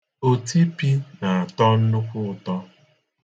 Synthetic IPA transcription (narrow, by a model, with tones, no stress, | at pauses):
o˨ti˦pi˦na˨a˨tɔ˦n̩˦nʊ˦kʷʊ˦ʊ˨tɔ˦